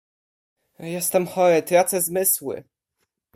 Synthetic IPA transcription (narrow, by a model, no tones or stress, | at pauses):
jɛst̪ɛmxɔɾɘt̪ɾat̪sɛzmɘswɘ̰